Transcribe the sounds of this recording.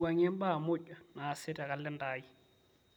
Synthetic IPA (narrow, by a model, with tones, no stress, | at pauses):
a˨ɲɛ˦m̩˦ba˦˨mʊ˦t͡ʃʼwa˨naː˨sɪ˦tʼa˨ɣa˨lɪ˦ndaː˦i˦